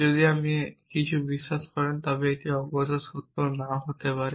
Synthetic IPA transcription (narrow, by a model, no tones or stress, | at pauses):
zɔd̪iamikit͡ʃʰubisːaskɔɹɛnt̪abɛet̪iaɔbɔzasut̪ːɔnaɦot̪epaɾɛ